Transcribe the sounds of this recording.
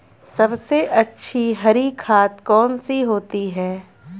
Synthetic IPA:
sɐbseʔɐtːʃʰiɦɐɾikʰaːt̪kɔːnsiɦoːt̪iɦɛː

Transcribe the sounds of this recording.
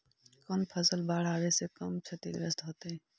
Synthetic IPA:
kəmpʰəsəlbaːɽ̤aːɾesekəmt͡ʃʰɐt̪ḭd̪ɾə̰st̪ɦoːt̪eɦɛ̃ː

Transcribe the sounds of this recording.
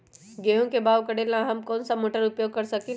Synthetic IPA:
ɡeɦõkebaːʋkəɽelãɦɐmkɔːnsamoːʈəɾʊpjoːɡ̚kɐɾsɐki

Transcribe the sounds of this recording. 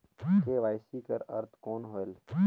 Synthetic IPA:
t̪ʰeːʋaːɪsikəɾɐ̰ɾt̪koːnɦoːel

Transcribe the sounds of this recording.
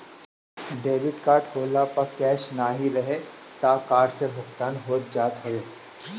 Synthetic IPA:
ɖeːʋɪʈkaːɾʈkoːlapɐɾkɛːʃnaɦiɾɐɦe | t̪aːkaːɾɖsebʱʊxt̪aːnɦoːt̪̚d͡ʒaːt̪ɦoeː

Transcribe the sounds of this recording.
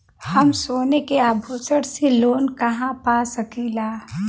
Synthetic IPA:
hɐmsoːnekeaːbʱoːsəɽseloːnkɐɦãpaːsɐkiːlaː

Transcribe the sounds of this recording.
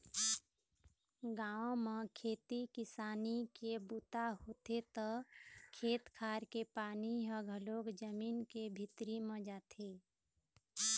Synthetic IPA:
ɡaːõmẽkʰeːt̪ikɪsaːnikebut̪aɦoːt̪et̪ɔkʰeːt̪kʰaːɾkepaːniɦəɡʱəloːkd͡ʒəmiːnkebʱɪt̪ɾimẽd͡ʒaːt̪ʰe

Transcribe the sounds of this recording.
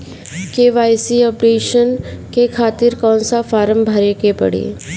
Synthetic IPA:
keːʋaːjsiɔːpɾeːʃənkekʰaːt̪ɪɾkɔ̃ːnsafaːɾəmbʱɐɾekepɐ̰ɽḛː

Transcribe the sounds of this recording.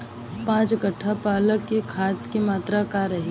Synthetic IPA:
pãːt͡ʃɡəʈʰːapaːləkːekʰaːt̪kemaːt̪ɾakaɾɐɦi

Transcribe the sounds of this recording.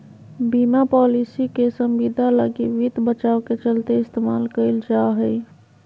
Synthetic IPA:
bimapɔlisikesə̃mʋid̪ʱalə̰ɡiʋid̪ʱbət͡ʃaoket͡ʃəlt̪eɪst̪emalkəɪld͡ʒaɦəj

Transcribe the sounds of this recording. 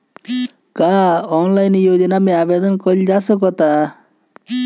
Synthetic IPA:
kaɔnlajnijod͡ʒɔnameabed̪ɔnkɔld͡ʒasɔkɔt̪a

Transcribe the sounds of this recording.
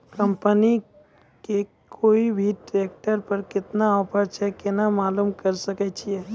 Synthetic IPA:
kəmpəni | ke | kʰoːibʱiʈɾek̚ʈəɾpəɾkɪt̪naɔːpʰəɾt͡ʃʰɛkenamaːlumkəɾsəket͡ʃʰie

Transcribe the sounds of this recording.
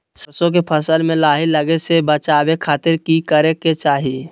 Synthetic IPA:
sɐsõk̬epʰəsəlmẽlaːɦiləɡesebət͡ʃaːbekʰaːt̪ɪɾkikəɾeket͡ʃaːɦie

